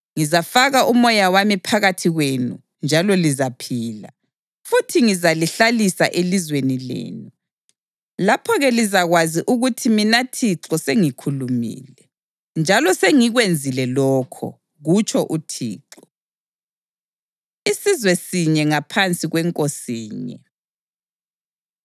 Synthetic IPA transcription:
ŋizafaɣaʔumɔjawamipʰaɣatʰiɣwenṵ | nd͡ʒʱalɔlizapʰiːla̰ | futʰiŋizaliɬalisaʔelizwenilḛːnu | lapʰɔɣɛlizaɣwaziʔuɣutʰiminatʰiǁɔseŋikʰulumḭːlɛ | nd͡ʒʱalɔseŋiɣwend͡zʱilɛlɔːkʰɔ̰ | ɣut͡ʃʰʼɔʔutʰḭːǁɔ | isizwɛsiɲɛŋapʰant͡sʼiɣwɛŋkʼosiːɲɛ̰

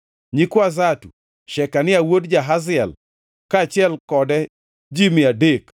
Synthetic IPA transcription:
ɲikwazatṵ | ʃɛkanɪawodd͡ʒaɦazɪɛl | kat͡ʃɪɛlkɔdɛ | d͡ʒimɪadek

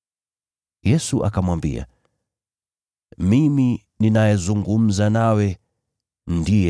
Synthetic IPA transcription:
jɛsuʔa̰kamwambḭa̰ | mimi | ninajɛzuŋɡum̩zanawɛ | ndijɛ

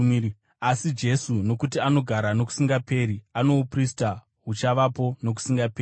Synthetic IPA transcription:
asid͡ʒe̞suno̞kutiano̞ɡʱaɾano̞ku̥siŋɡape̞ːɾiano̞uprista | ɦut͡ʃaʋapo̞no̞k̬u̥siŋɡapeːi

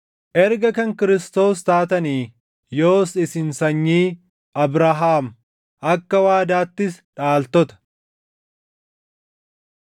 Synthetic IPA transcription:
ʔɛɾɡɐkɐŋkɪɾɪst̪o̞ːst̪aːt̪ɐniː | joːsɪsɪnsɐɲːiː | ɐbɾɐɦaːm | ʔɐkːɐwaːd̪aːt̪ːɪsᶑaːlt̪ɔt̪ɐ̥

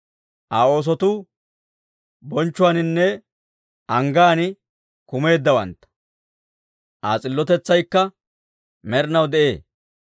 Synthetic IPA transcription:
ʔaːo̞ːs̬ɔt̪u | bɔnt͡ʃːʊwaːnɪnːɛ | ʔɐŋɡaːnɪ | kʊme̞ːd̪ːɐwɐ̰nt̪ːɐ̥ | ʔaːt͡sʼɪlːɔt̪ɛt͡sːɐjkːɐ | mɛɾɪnɐwd̪ɛʔe̞ː

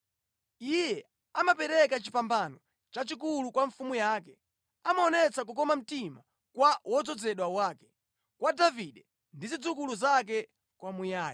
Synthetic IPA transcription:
ijɛ | amapɛɾɛkat͡ʃipambanɔ | t͡ʃat͡ʃik̬ulukwaɱfumujaːkɛ | amaɔnɛt͡sak̬uk̬ɔmam̩tima | kwawɔd͡zɔd͡zɛɗwawaːkɛ̥ | kwadaviɗɛ | ndizid͡zukuluzak̬ɛ | kwamujaːji

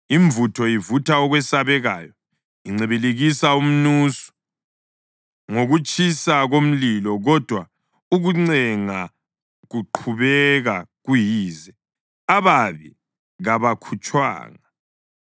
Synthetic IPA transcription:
iɱvutʰɔjivutʰaɔɣwɛsaβɛɣaːjɔ | iŋ͡ǀiβileɣisaum̩nuːsu̥ | ŋoɣut͡ʃʼisaɣom̩lilɔɣɔd̥ʱwa | uɣuŋ͡ǀɛŋa | ɣuǃʰuβɛɣaɣujiːzɛ | aβaβi | ɣaβakʰut͡ʃʼwa̰ːŋa

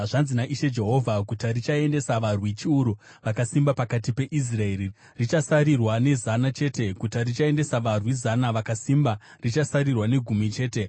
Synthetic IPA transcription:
ʐanzinaʔiʃe̞d͡ʒe̞ɦo̞vʱakutarit͡ʃae̞nde̞saʋarwit͡ʃiuɾu | ʋakasimbapakat̬ipe̞ʔis̬rae̞ri | rit͡ʃasaɾirwane̞zanat͡ʃe̞ːte̞kutarit͡ʃae̞nde̞saʋarwizanaʋakasimba | rit͡ʃasaɾirwane̞ɡʱumit͡ʃe̞ːte̞

